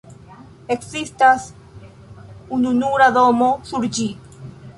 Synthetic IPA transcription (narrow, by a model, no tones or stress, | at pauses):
eksist̪as | ununuɾaðomosuɾd͡ʒi